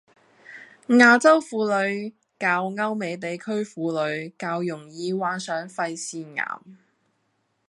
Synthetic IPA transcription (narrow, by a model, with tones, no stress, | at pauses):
ŋaː˨˧t͡sɐ˥wfuː˨˧lɵ˨˧ɥ | kaː˧wŋɐ˥wme˨˧jt̪̬e˨jkʰɵ˥ɥfuː˨˧lɵ˨˧ɥkaː˧wjʊ˨˩ŋjiː˨˧waː˨˧˥nsœː˨˥ŋfɐ˧jsiː˧ŋa̰ː˨˩m